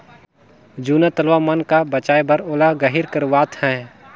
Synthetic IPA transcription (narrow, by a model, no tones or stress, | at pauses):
d͡ʒuːnat̪əlʋamɐnkabət͡ʃaːjbɐɾoːlaɡəɦɪɾkəɾʋaːt̪hɛ̃ː